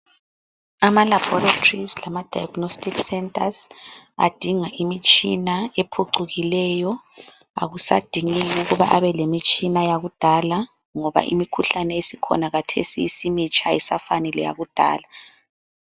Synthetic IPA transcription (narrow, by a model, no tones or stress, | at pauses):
amalab̥ɔratʰrizlamad̥ʱajaɡ̥nostʰʼiksɛntʰʼaza̰d̥ʱiŋaʔimit͡ʃʼinaepʰuǀuɣilɛjɔ | a̰ɣusad̥ʱiŋiɣuɣuβaʔaβɛlemit͡ʃʼinajaɣud̥ʱala | ŋɔβa̰ʔḭmikʰuɬanɛesikʰɔ̰naɣatʰḛsiːsimit͡ʃʼʰaɛsafanɛlɛja̰ɣud̥ʱa̰ːla